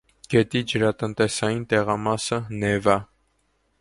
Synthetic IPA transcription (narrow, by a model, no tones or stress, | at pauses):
ɡ̥ɛt̪id͡ʒəɾɑt̪ənt̪ɛsɑjint̪ɛʁɑmɑsənɛvɑ